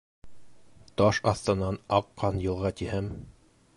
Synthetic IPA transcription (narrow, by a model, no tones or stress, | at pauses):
t̪ɑʃɑθt̪ɤ̆nːɑnɑqːɑnjɤ̆lˠʁɑt̪ihɘm